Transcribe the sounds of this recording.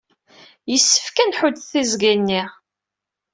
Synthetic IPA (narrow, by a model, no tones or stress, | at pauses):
jəsːə̥fkænħʊd̪θizɡinːiʁ